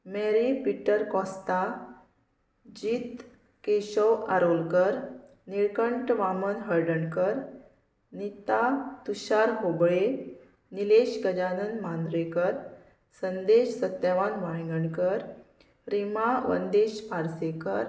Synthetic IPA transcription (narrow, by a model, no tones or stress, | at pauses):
meɾipiʈːəɾkɔ̃st̪a | d͡ʑiːt̪ | keɕɔwʔaɾolkəɾ | niɾkəɳʈʋamənɦəɾɖəɳkəɾ | nit̪at̪uɕaɾɦobɭe | nileɕɡəd͡ʑanənmand̪ɾekəɾ | sənd̪eɕsət̪ːaʋanʋaɭŋɡəɳkəɾ | ɾimaʋə̰nd̪eɕpaɾsekəɾ